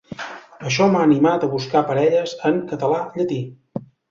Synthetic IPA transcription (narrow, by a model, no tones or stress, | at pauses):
əʃ̬ɔmaːnimat̪əβuskapəɾɛʎəzəŋkət̪əlaʎət̪i